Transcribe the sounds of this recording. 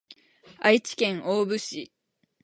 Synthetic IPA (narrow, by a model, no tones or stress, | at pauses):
ait͡ɕi̥kẽ̞ŋʔoːbɯ̟ɕi